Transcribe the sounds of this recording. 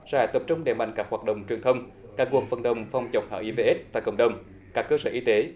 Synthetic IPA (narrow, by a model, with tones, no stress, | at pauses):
z̥aː˧˩t̪ə˨˩p̚t͡ɕʊ˧ŋ͡mɗḛ˨˧˩ma̰˧˨jŋ̟kaː˦˥k̚haː˨˩t̚ɗə̰˧˨wŋ͡mt͡ɕwi˨˩ənt̪ʰə˧wŋ͡m | kaː˦˥k̚ku˨˩ək̚fə˨˩nɗə˨˩wŋ͡mfa˨˩wŋ͡mt͡ɕə˨˩wk͡p̚ha̰ː˧˩ʔi˧ve˧ʔe˦˥t̚t̪a̰ː˧˨jkə̰˧˩wŋ͡mɗə˨˩wŋ͡m | kaː˦˥kːəː˧səː˧ʔi˧t̪e˨˦